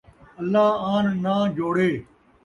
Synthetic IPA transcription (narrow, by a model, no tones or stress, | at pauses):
ɐlːaːaːnnãːd͡ʒoːɽeː